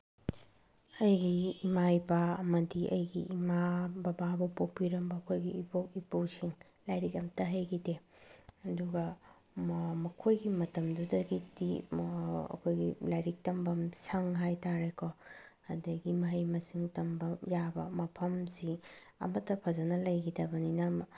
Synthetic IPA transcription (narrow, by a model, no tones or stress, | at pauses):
ɐjɡiːmaipaɐmɐdiʔɐjɡiʔimabɐbabupopiɾɐmbɐːkʰojɡiːpok̚ipuwsiŋ | lajɾik̚ɾɐmtɐɦɐjɡideɐduɡɐ | mɐkʰojɡimɐtɐmdudɐɡidi | ɐ̰kʰojɡilajɾik̚tɐmbɐmsɐŋɦajtaɾekʰɔ | ɐdɐjɡimɐɦɐjmɐsiŋtɐmbɐjabɐmɐpʰɐmsiɐ̰mɐtːɐpʰɐzɐnɐlɐjɡidɐbɐninɐ